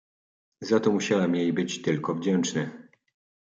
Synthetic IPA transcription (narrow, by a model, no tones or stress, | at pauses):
zat̪ɔmuɕawɛmjejbɘt͡ɕt̪ɘlkɔvd͡ʑɛnt͡ʂnɘ